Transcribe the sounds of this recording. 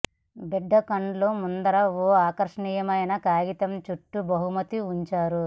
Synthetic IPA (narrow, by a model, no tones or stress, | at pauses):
bɛɖːɐkɐɳɖloːmund̪ɐɾɐoːaːkɐɾʂɐɳiːjɐmɐjnɐkaːɡit̪ɐmt͡ʃuʈːubɐɦumɐt̪iuɲt͡ʃaːɾu